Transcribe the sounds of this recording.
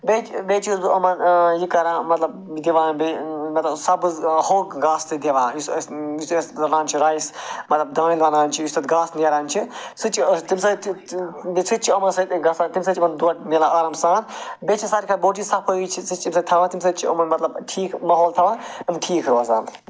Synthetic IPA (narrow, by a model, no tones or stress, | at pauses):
beːt͡ʃbeːt͡ʃʰisbɐmɐnjikɐɾãːmɐt̪lɐb | d̪iʋãːnbemɐt̪lɐbsɐbɨzhoːɡɡaːst̪ɨd̪eʋãːjussjist̪ːsɐnãːnt͡ʃʰiɾaːjsmɐt̪lɐbd̪ãːnilʋɐnaːnʲt͡ʃʰijust̪ɐt̪ɡaːsneɾaːnʲt͡ʃʰisɨt͡ʃʰit̪imsɐt̪bit͡sʰɨt̪̚t͡ʃʰiɐmɐnsɐt̪ɡɐsat̪imsɐt͡ʃʰʲɐmɐnd̪uɐʈ̚melãːʔaːɾɐmsãːnbet͡ʃʰisaːɾikʰɐboːʈisɐpʰojit͡ʃʰisɨt͡ʃʰimsɐt̪ʰɐʋãːt̪ims̬ɐt͡ʃʰiɐmɐnmɐt̪lɐbʈʰiːkmɐɦoːlt̪ʰɐʋãːɐmʈʰiːkʰɾoɐzaːn